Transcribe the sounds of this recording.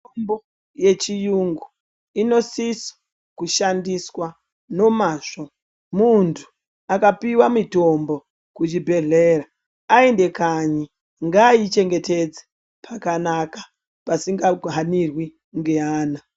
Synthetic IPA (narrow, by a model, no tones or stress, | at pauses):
ombo | je̞t͡ʃijuŋɡu | ino̞sisḁ | kuʃandiswa | no̞maʐo | muntʰu̥ | akapiwamito̞mbo̞ | kut͡ʃibʱe̞ɮeraː | ende̞kaɲi | ŋɡait͡ʃe̞ŋɡe̞te̞d͡ze̥ | pʰakanakḁ | pasiŋɡaɦanirwi | ŋɡe̞aːna